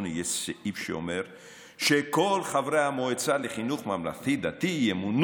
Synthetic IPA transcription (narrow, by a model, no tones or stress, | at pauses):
nijeʃseʔifʃḛo̰meʁ | ʃekolχavɾeamoet͡saleχinuχmamla̰θid̪at̪ijemun